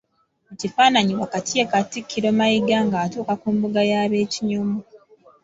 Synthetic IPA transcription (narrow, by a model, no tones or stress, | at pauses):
ucifaːnaɲiwakatijekatikʰːiɾomajiɡaŋɡaːtuːkakumbuɡajaːβe̞ːciɲumu